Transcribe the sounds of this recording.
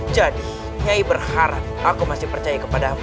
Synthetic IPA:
d͡ʒadi | ɲaibərhaɾa | akumasɪpərt͡ʃajakəpada

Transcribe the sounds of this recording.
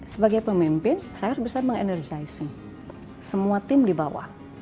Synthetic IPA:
səbaɡajpəmimpɪnsajaɾusbəsarməŋɛ̰nərd͡ʒaisəŋ | səmuat̪ɪmdibawa̰h

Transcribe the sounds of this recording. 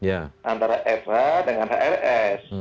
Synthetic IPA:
jaʔant̪aɾaʔɛfhadəŋanɦaʔɛrɛs

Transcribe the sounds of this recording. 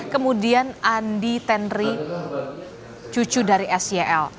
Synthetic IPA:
kəmudianʔandit̪ɛnri | t͡ʃut͡ʃudaɾiʔɛsiɛʔɛl

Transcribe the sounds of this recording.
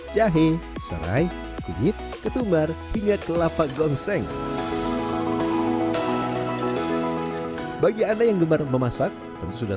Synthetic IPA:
d͡ʒaɦesə̰ɾa̰j | kuwɪt̪̚kət̪umarhiŋakəlapaɡɔŋsɛŋ | baɡiadajaŋɡəmarməmasak̚ | t̪ənt̪usuda

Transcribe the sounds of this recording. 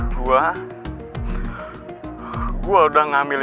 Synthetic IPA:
ɡua | ɡuaudahŋamil

